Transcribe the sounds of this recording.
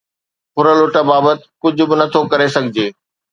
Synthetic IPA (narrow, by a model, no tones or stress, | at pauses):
xʊɾəlʊʈəbaːbət̪ɪ̥kʊd͡ʑʱʊ̆bɪnɐt̪ʰokɐɾesɐɡʱɪd͡ʑeː